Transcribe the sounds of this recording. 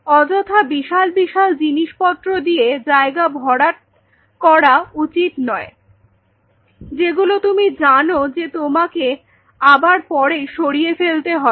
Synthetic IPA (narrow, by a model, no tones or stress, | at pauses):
ɔd͡ʑot̪ʰabiʃalbiʃald͡ʑiniʃpɔt̪ːɾod̪ied͡ʑaeɡabʱɔɽa | kɔɾaut͡ɕit̪nɔe | d͡ʑeɡulot̪umid͡ʑanod͡ʑet̪omake | abaɾpɔɾejʃoɽijefelt̪eɦɔ